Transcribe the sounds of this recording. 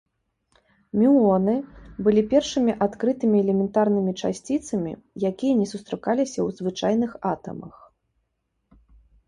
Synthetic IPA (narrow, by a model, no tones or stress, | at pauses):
mʲiɔnɨbɨlʲipʲɛrʂɨmʲiʔat̪kɾɨt̪ɨmʲiɛlʲɛmʲɛnt̪arnɨmʲit͡ʂasʲt͡sʲit̪sɐmʲḭjakʲijɐnʲɛsust̪ɾɨkalʲisʲɐwzvɨt͡ʂajnɨxat̪ɐ̰mɐ̰x